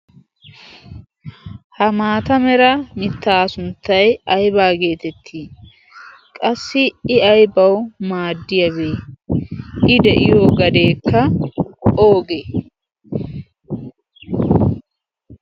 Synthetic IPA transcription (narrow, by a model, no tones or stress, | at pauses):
hɐmaːt̪ɐmɛɾɐmɪt̪ːaːsʊnt̪ːɐjɐjbaːɡe̞ːt̪ɛt̪ʰːiː | kʼɐsːɪɪɐjbɐwmaːd̪ːɪjɐβeː | ʔɪd̪ɛʔɪjoːɡɐd̪e̞ːkːɐ | o̞ːɡe